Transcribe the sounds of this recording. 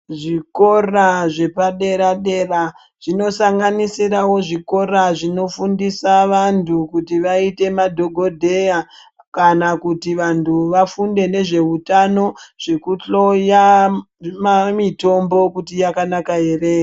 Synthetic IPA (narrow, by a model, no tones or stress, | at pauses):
ʐiko̞raʐe̞paɗe̞ɾaɗe̞ra | ʐ̥ino̞saŋɡanisiɾawo̞ʐiko̞raʐino̞fundisaʋantʰukutiʋaite̞madʱo̞ɡʱo̞dʱe̞ja | kanakutiʋantʰuʋafunde̞ne̞ʐe̞utano̞ʐ̥e̞kuɬo̞ja | mamito̞mbo̞kutijakanakaɦere